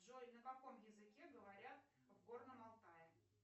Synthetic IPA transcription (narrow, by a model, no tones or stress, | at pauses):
ʐonəbɐko̞mjɪzɨkʲeɡəvɐɾʲat̪ | vɡo̞rnəmɐlˠt̪ajɪ